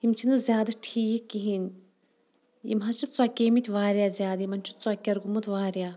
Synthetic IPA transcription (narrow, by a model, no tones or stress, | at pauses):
imt͡ʃʰind̪ɐzʲjaːd̪ɐʈʰiːjkːiɦin | jḭmɦɐst͡ʃʰit̪t͡swakʲeːmit̪ʲʋaːɾʲjaːzʲjaːd̪jimɐnʲt͡ʃʰu̥t̪t͡saːkʲɐɾɡumut̪ʋaːɾʲjaː